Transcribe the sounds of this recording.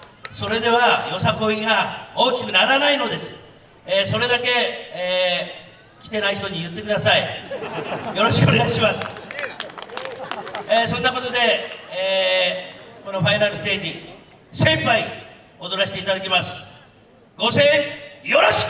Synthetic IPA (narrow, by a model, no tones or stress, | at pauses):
so̞ɾe̞d̪e̞β̞ajo̞sako̞iɡao̞ːkʲi̥kɯ̟naɾanaino̞d̪e̞sɨ̥ | eso̞ɾe̞d̪ake̞ː | kʲi̥t̪e̞naiçit̪o̞ɲ̟ijɯ̟t̪ːe̞kɯ̟d̪asai | jo̞ɾo̞ɕi̥kɯo̞neɡaiɕimasɨ̥ | eːsõ̞nːako̞t̪o̞d̪e̞ː | ko̞no̞ɸainaɾɯ̟st̪eːd͡ʑi | sẽ̞mpai | o̞d̪o̞ɾaɕi̥t̪eit̪ad̪akʲimasɨ̥ | ɡ̥o̞sejo̞ɾoɕ